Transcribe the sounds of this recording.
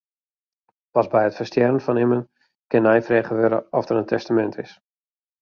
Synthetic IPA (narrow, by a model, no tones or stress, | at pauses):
pɑsbɛjətfəstjɛrənfɔnɪmən | kɪnːɛjfreːχəʋøɾə̰ɔfdərəntʰɛstamɛntʰɪs